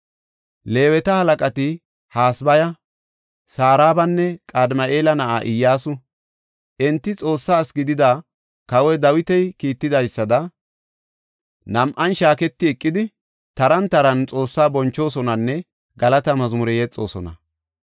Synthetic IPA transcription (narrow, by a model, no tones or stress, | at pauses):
le̞ːwɛt̪ɐhɐlɐkʼɐt̪ɪ | haːsbɐjɐ | saːɾaːbɐnːɛkʼɐd̪mɐʔe̞ːlɐnɐʔaːʔɪjːaːsʊ | ʔɛnt̪ːɪt͡sʼo̞ːsːaːsɡɪd̪ɪd̪a | kɐwɛd̪ɐwɪt̪ɛjkiːt̪ːɪd̪ɐjsːɐd̪ɐ | nɐmʔɐnʃaːkɛt̪ːɪɛkʼːɪd̪ɪ | t̪ɐɾɐnt̪ɐɾɐnt͡sʼo̞ːsːaːbɔnt͡ʃːo̞ːsɔnɐnːɛ | ɡɐlɐt̪ɐmɐzmʊɾɛjɛt͡sʼːo̞̰ːsɔnɐ̰